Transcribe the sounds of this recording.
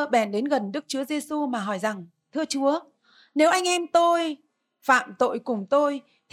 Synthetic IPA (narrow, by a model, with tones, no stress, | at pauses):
ɓɛ˧˩nɗe˨˦nɣə˨˩nɗɨ˦˥k̚t͡ɕu˨˦əze˧su˧maː˨˩ɦɔ˧˩jza˨˩ŋ | t̪ʰɨ˧ət͡ɕu˨˦ə | ne˨˦wʔa˧jŋ̟ʔɛ˧mt̪o˧j | fa̰ː˧˨mt̪o̰˧˨jkʊ˨˩ŋ͡mt̪o˧j | t̪ʰ